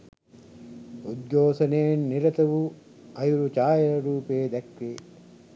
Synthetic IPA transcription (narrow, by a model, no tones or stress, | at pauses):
ud̪ɡoːsɐnejɐnːiɾɐt̪ɐʋu | ɐjuɾut͡ʃaːjɐɾɐɾuːpejɐd̪ɐkɾe